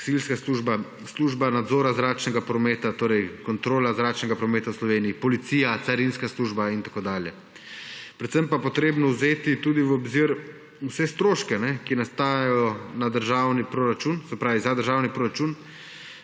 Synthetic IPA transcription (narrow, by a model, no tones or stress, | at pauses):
silskasuʒba | sluːʒbanad̪zɔːɾazɾaːt͡ʃnɛɡapɾɔmeːt̪at̪oːɾɛjkɔnt̪ɾoːlazɾaːt͡ʃnɛɡapɾɔmeːt̪awslɔʋeːniːpɔlit̪siːjat̪saɾinskasluːʒbaint̪akoːd̪aːljɛ | pɾɛt̪səmpapɔt̪ɾeːbnɔwzeːt̪it̪uːd̪iwɔbziɾ | usɛst̪ɾoːʃkɛnɛkinast̪aːjajɔnad̪əɾʒaːwnipɾoːɾat͡ʃunsɛpɾaːʋizad̪əɾʒaːwnipɾoɾat͡ʃun